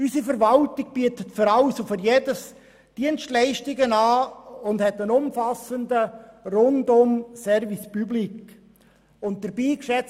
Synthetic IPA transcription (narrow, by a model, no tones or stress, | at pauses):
ysifəɾʋɑltɪɡ̥̚b̥iətətfʏɾalsofʏɾjedəs | d̥iənstlɛɪʃtɪɡənaːʊndhɛtənʊmfɑsəndərʊndʊmsɛɾvispyblik | ʊnt̚d̥əɾbiːkʃɛt͡s